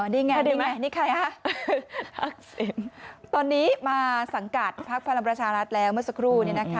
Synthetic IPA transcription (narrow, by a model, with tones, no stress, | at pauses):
niː˧ŋa˧˩di˧˩a˧˩niː˧˥˩kʰa˧˩jʔa˧˥˩ | a˦k̚se˨˩mt̪ɔː˧nːiː˦˥maː˧sa˩˦ŋka˨˩t̪̚pʰa˦˥k̚pʰa˧la˧ŋpɾa˧t͡ɕʰaː˧ɾa˦˥t̪̚lɛː˦˥wmɯ˥˩ɐsa˧kʰɾuː˥˩ni˥˩ɐna˦˥kʰa˦˥